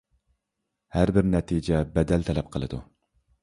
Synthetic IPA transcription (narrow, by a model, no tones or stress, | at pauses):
hæɾbɪɾnɛt̪ʰid͡ʒɛbɛd̪ɛlt̪ʰɛlɛp̚qʰəlˠɨd̪ṵ